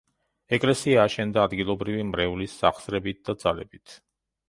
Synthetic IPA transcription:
ɛkʼlɛsiaːʃɛnd̪aːd̪ɡilˠɔbɾivimɾɛulisːaχsɾɛbit̪̚d̪ad̪zalɛ̰bit̪ʰ

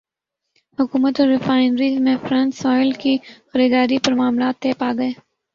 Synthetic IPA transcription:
hʊkuːmət̪ɔːɾːɪfaːɪnɾiːzmẽfɾãnsɔːɪlkixəɾiːd̪aːɾipɐɾmaːmlaːt̪ːeːpaːɡɐeː

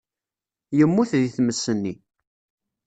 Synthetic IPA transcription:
jəmːuθðiθməsːənːi

